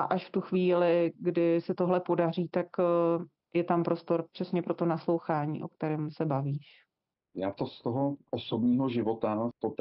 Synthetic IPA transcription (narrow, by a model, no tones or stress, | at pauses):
ʔaʔaʃft̪uxviːlɪɡdɪsɛt̪o̞ɦlɛpo̞dariːt̪ak | jɛt̪ampɾo̞st̪o̞ɾpr̥ɛsɲɛpɾo̞t̪o̞naslo̞wxaːɲḭːʔo̞̰k̚t̪ɛɾɛːmsɛbaviːʃ | jaːt̪ost̪oɦoʔosobɲiːɦoʒɪvo̞t̪at̪ot̪